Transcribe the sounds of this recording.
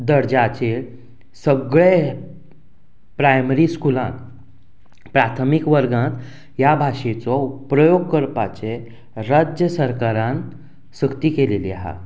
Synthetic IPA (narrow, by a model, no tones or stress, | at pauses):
d̪əɽd͡ʑat͡ɕe | səɡɭe | pɾajməɾiːskulã̰n | pɾat̪ʰəmikʋəɾɡãt̪ | jabʱaʂet͡sɔpɾəjoɡkəɾpat͡ɕe | ɾad͡ʑjəsəɾkaɾãn | səkt̪iːkeleliaɦa̰